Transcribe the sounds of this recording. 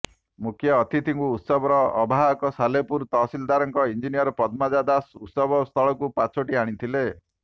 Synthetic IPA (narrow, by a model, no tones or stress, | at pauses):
mukʰjɔːt̪ʰit̪ʰiŋkuːt̪sɔbɔɾɔːbʱaɦɔkɔsalepuɾt̪ɔsild̪aɾɔŋkɔind͡ʒinijɔɾɔpɔd̪mad͡ʒad̪asut̪sɔbɔst̪ʰɔɭɔkupat͡ʃʰoʈiaɽ̃it̪ʰile